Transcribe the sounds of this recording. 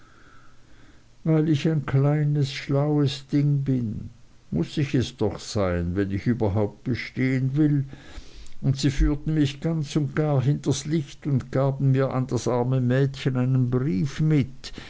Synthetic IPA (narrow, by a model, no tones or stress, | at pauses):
vaɪlɪçaɪnkʰlaɪnəsʃlaʊəsd̥ɪŋbɪn | mʊsɪçɛsd̥ɔχsaɪənvɛnɪçyːbɐɦaʊp̚t̚b̥əʃteːənvɪl | ʊntsiːfyːɐtn̩mɪçɡ̥ant͡sʊntɡ̥aːɐɦɪntɐslɪçtʊntɡ̥aːbn̩miːɐʔa̰ndasʔaɐməmɛːtçənaɪnənbʁiːfmɪt